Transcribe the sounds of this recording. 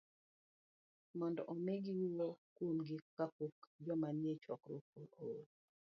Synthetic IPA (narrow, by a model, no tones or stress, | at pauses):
mɔndɔʔomeɡiwiwokwomɡikapokd͡ʒɔmanjet͡ʃwɔ̰kɾopoo